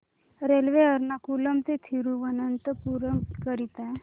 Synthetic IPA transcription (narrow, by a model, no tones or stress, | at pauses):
ɾelʋeəɾnakuləmt̪et̪ʰiɾuʋənənt̪əpuɾəmkəɾit̪a